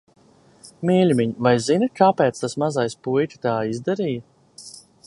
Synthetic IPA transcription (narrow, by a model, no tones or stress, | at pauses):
miːlʲmʲiɲvajzinɨkaːpɛːt̪st̪asmazajspujtʲi̥t̪aːizd̪aɾiːjɐ